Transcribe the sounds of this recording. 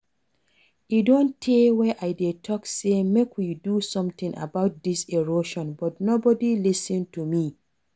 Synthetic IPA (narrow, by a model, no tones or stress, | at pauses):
idõntʰewɛʔaɪdetʰɔksemekʰwidusɔ̃mt̪ĩŋʔa̰baʊt̚diseɹoʃɔ̃nbɔtnobɔdilisĩntumi